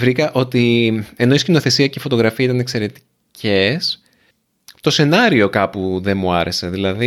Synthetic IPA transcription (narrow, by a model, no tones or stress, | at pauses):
vɾikɐʔo̞t̪ie̞no̞iscino̞θe̞siɐceifo̞t̪o̞ɣɾɐfiɐit̪ɐnekse̞ɾe̞t̪i̥ | cʰe̞s | t̪o̞se̞nɐɾio̞kɐpuðe̞nmuɐ̰ɾe̞se̞ðilɐði